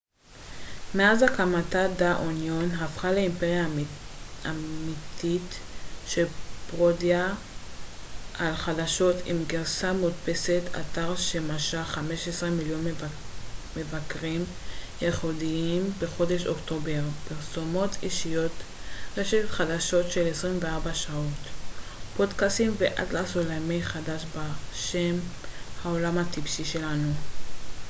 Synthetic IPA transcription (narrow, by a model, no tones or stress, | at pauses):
meazakamatadaʔonjonɦafχaleimpeʁja | amitʰitʃepʁodja | alχadaʃo̞tʰimɡeʁsamutpeset̪ʰa̰t̪aʁʃemaʃaχame̞ʃesʁemiljo̞n | me̞vakʁim | jeχodiimbe̞χo̞de̞ʃokto̞be̞ʁpiʁso̞mo̞tʰiʃijo̞t̪ | ʁeʃetχadaʃo̞tʃe̞lesʁimveaʁbaʃao̞tpo̞dkast̪imveʔa̰dlasolamejχadaʃbaʃemhaolamhat̪ibʃiʃe̞lanu